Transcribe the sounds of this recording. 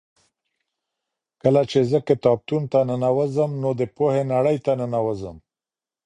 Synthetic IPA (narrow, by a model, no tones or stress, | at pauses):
kəlat͡ʃezəkɪt̪ɑb̚t̪unt̪anənawəzəmnod̪əpohenaɽəjt̪anənawəzəm